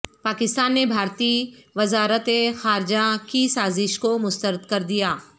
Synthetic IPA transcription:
paːkɪst̪aːnːebʱaːɾt̪iʋɐzaːɾət̪exaːɾd͡ʒakisaːzɪʃkomʊst̪əɾəd̪kɐɾd̪ijaː

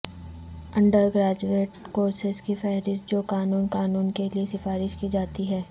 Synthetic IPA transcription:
ɐ̃ɳɖəɾɡɾaːd͡ʒueːʈkoːɾsɪzkifɛːɦɾɪʃd͡ʒoːkaːnuːnkaːnuːnkeliesɪfaːɾɪʃkid͡ʒaːt̪iɦɛː

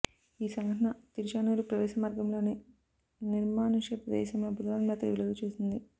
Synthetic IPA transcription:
iːsɐŋɡʱɐʈɐnɐt̪iɾiʃaːnuːɾupɾɐʋɛːʃɐmaːɾɡɐmlo̞ːneː | niɾmaːnuʂjɐpɐd̪ɛ̰ːʃɐmɐbʱud̪ʋaːnmaːt̪ɾɐʋilɐɡ̪ut͡ʃeːsind̪i

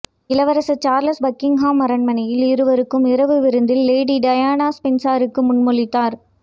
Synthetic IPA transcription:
ɪlɐʋɐɾɐsɐt͡ʃaːɾlɐsbɐkːɪŋɦaːmːɐɾɐɳmɐnɐjɪlɪɾɯʋɐɾɯkːɯmɪɾɐʋɯʋɪɾɯnd̪ɪlːeːɽiɖɐjaːnaːspɛnsaːɾɯkːɯmʊnmɔɭɪt̪ːaːɾ

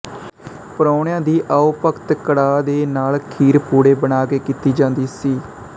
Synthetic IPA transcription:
pəɾoːɳjãːd̪iːʔaːʊpəkt̪kəɽaːd̪eːnaːlkʰiːɾpuːɽeːbənaːkeːkiːt̪iːd͡ʒãːnd̪iːsiː

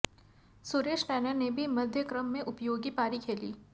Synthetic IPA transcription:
suːɾeːʃʈɛːnənebʱimɐd̪ʱjəkɾəmːẽʔʊpjoːɡipaːɾikʰeːlḭː

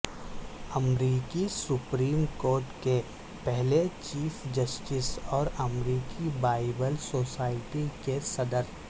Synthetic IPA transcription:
ɐmɾiːkisʊpɾiːmkoːɾʈke | pɛɦlet͡ʃiːfd͡ʒɐsʈɪsɔːɾɐmɾiːkibaːɪbəlsoːsaːɪʈikesɐd̪əɾ

